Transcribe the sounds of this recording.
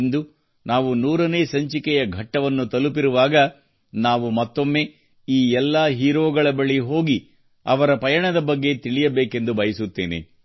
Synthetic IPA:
nd̪u | naːʋunuːɾɐne̞ːsɐɲt͡ʃikɛjɐɡʱɐʈːɐʋɐnːut̪ɐlupiɾuʋaːɡɐ | naːʋumɐt̪ːo̞mːe̞ː | iːɛlːɐɦiːɾoːɡɐɭɐbɐɭiɦoːɡi | ɐʋɐɾɐpɐjɐɳɐd̪ɐbɐɡːe̞t̪iɭijɐbeːke̞nd̪ubɐjɐsut̪ːeːnḛ

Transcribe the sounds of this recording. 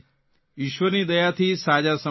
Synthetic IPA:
ɪʃʋəɾniːd̪əjat̪ʰiːsaːd͡ʒasə

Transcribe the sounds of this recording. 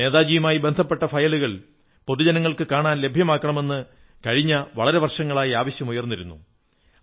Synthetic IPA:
e̞ːðaːd͡ʑijɐmaːjibend̪ʱɐpːe̞ʈːɐfɐjɐɭuɣɐɭ | po̞ðud͡ʑɐnɐŋːɐɭkɨkaːɳaːnle̞bʱjɐmaːkːɐɳɐme̞nːɨ | kɐɻiɲːɐʋɐɭɐɾe̞ʋɐrʂɐŋːɐɭaːjiaːʋɐɕjɐmujɐrnːiɾunːṵ

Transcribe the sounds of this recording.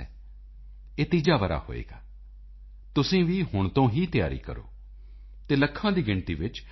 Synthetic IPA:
ɛ̰ː | eːt̪iːd͡ʒaːʋəɾa̰ːho̰ːḛːɡaː | t̪ʊsĩːʋiːhʊɳ̃t̪õːɦiːt̪ɪja̰ːɾḭːkə̰ɾo̰ː | t̪eːləkʰːãːd̪iːɡɪɳʈ̪ḭːʋɪt͡ʃ

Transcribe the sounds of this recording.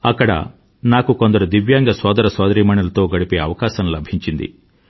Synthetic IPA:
ɐkːɐɽɐ̰ | naːkuko̞nd̪ɐɾud̪iʋjaːŋɡɐsɔːd̪ɐɾɐsɔːd̪ɐɾiːmɐɳulɐt̪o̞ːɡɐɽipeːɐʋɐkaːʃɐmlɐbʱiɲt͡ʃind̪ḭ

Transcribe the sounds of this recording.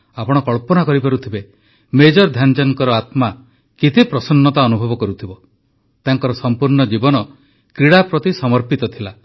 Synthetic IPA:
apɔɽ̃ɔkɔɭpɔnakɔɾipaɾut̪ʰibe | med͡ʒɔɾd̪ʱjand͡ʒaŋkɔɾɔat̪ma | kit̪ʰipɾɔsɔnːɔt̪aɔnubʱɔbɔkɔɾut̪ʰibɔ | t̪aŋkɔɾɔsɔmpuɾɳɔd͡ʒibɔnɔ | kɾiɽapɾɔt̪isɔmɔɾpit̪ɔt̪ʰila

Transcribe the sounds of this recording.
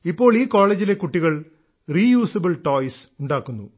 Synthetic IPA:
ipːo̞ːɭiːko̞ːɭeːd͡ʑile̞kuʈːiɣɐɭ | riːjuːsɐbɐɭʈo̞ːjsuɳɖaːkːunːṵ

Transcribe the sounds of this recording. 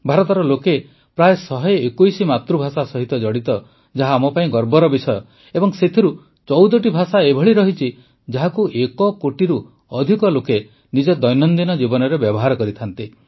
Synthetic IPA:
bʱaɾɔt̪ɔɾɔloke | pɾaesɔɦɔekujsimat̪ɾubʱasasɔɦit̪ɔd͡ʒɔɽit̪ɔ | d͡ʒaɦaːmɔpaĩɡɔɾbɔɾɔbisɔjɔ | ebɔŋset̪ʰiɾu | t͡ʃɔwd̪ɔʈibʱasaebʱɔɭiɾɔɦit͡ʃʰi | d͡ʒaɦakuʔekɔkoʈiɾu | ɔd̪ʱikɔloke | nid͡ʒɔd̪ɔjnɔnd̪inɔd͡ʒibɔnɔɾebjɔbɔɦaɾɔkɔɾit̪ʰant̪i

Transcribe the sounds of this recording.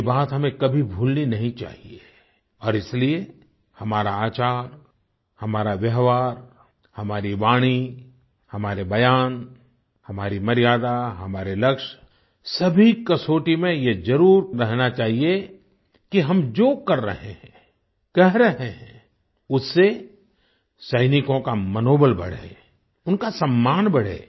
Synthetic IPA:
baːt̪ɦɐmẽkɐbʱibʱuːlninɐɦĩt͡ʃa̰ːɦie | ɔːɾɪslie | hɐmaːɾaaːt͡ʃaːɾ | hɐmaːɾaʋjɐɦʋaːɾ | hɐmaːɾibaːɽ̃i | hɐmaːɾebɐjaːn | hɐmaːɾimɐɾɪjaːd̪aɦɐmaːɾelɐkʃ | sɐbʱikɐsoːʈimẽjed͡ʒɐɾuːɾɾɛɦnat͡ʃaːɦie | kiɦɐmd͡ʒoːkɐɾːɐ̰ɦẽɦɛ̃ | kɛɦɾɐɦẽɦɛ̃ | ʊsːe | sɐɪnɪkõkamɐnoːbəlbɐ̰ɽ̤ḛː | ʊnkasɐmːaːnbɐɽ̤ḛː

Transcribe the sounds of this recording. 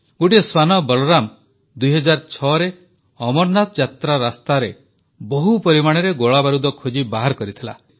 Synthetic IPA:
ɡoʈieswanɔbɔlɔɾam | d̪ujɦɔd͡ʒaɾt͡ʃʰɔɾe | ɔmɔɾnat̪ɔd͡ʒat̪ɾaɾast̪aɾe | bɔɦupɔɾimaɽ̃eɾeɡoɭabaɾud̪ɔkʰod͡ʒibaɦaɾkɔɾit̪ʰila̰

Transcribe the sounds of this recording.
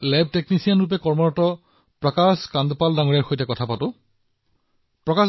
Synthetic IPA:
lɛb̚ʱteknisijanɹup̬ɛkɔɹmɔɹɔtɔ | pɹɔkaskandɔpaldaŋoɹijaɹxojtɛkɔtʰapatʊ | pɹɔkas

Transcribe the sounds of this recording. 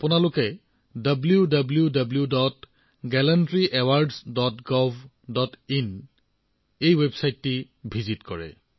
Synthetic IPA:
apʊnalʊkɛ | dʌbljudabljudabljudɔt | ɡɛlɛntɹiʔɛwaɹdsdɔtɡɔvʱ | dɔtin | ejwebsajtːi | bʱizitkɔɹɛ̰

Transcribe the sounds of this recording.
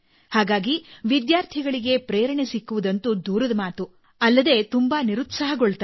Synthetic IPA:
haːɡaːɡiʋid̪jaːɾt̪ʰiɡɐɭiɡe̞pɾeːɾɐɳesikːuʋud̪ɐnt̪ud̪uːɾɐd̪ɐmaːt̪u | ɐlːɐd̪e̞t̪umbɐniɾut̪sɐɦɐɡoɭt̪ː

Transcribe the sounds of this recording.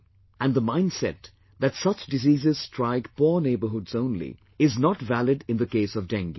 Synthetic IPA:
æ̃nðəmãɪ̃ndsɛ̰t̪̚ | ðætsʌt͡ʃdɨziːzɪz̥stʰɹaɪɡpɔɹneɪbə˞ɦʊdzõʊ̃nlḭ | ɪznɔtvælɪdɪ̃nðəkeɪsʌvdæ̃ŋɡi

